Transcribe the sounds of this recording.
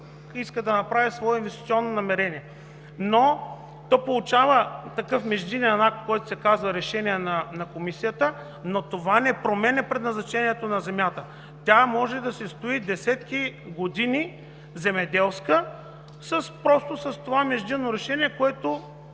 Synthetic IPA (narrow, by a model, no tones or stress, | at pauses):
iskəd̪ɐnɐpɾavisvɔɛinvɛst̪i̥t̪siɔnːonɐmɛɾɛniɛ | no | t̪ɔpolˠut͡ʃavət̪ɐkɤfmɛʒd̪iniɐnakt̪kɔjt̪ʊ̥sɛkazvəɾɛʃɛniɛnɐnɐkomisijət̪ə | not̪ovanɛpɾomɛnɛpɾɛd̪nɐznɐt͡ʃɛniɛt̪onɐzɛmjat̪ə | t̪ʲjamɔʒɛd̪ɐsɛst̪oid̪ɛsɛt̪k̟iɡod̪ini | zɛmɛd̪ɛlˠskə | sɐspɾɔst̪osəst̪ovamɛʒd̪inːoɾɛʃɛniɛkoɛt̪ʊ